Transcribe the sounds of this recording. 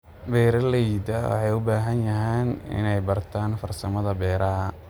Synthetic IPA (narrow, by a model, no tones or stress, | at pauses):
bɛːɾɐlɛjd̪ɐwɑ̰ħɑjʊbaːɦɐnjɐɦɛːnɪ̰nɛjbɐrt̪ʰaːnfɐrsɐmɐðɐbɛːɾɐɐ